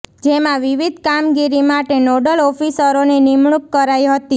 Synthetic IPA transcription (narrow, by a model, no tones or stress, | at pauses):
d͡ʒemãʋiʋid̪ʱkamɡiɾimaʈenoɖəlɔfisəɾonenɪmɳukkːəɾajɦət̪i